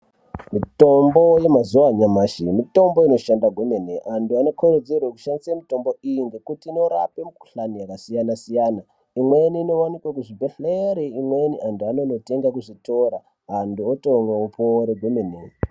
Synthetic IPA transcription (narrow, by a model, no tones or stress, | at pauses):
mito̞mbo̞je̞mazuwaɲamaːʃimito̞mbo̞ino̞ʃandaɡʱwemeneʔanduano̞kʰored͡zerweku̥ʃandisamito̞mbo̞ijiŋɡe̞kutiːno̞ɾa̰pe̞muku̥ɬanijakasijanasijana | imweniːno̞wanikwekuʐibʱeɬeɾeimwe̞niʔantuanono̞te̞ŋɡakuʐito̞ɾa | ɦanduotoŋweupoɾeɡʱwemene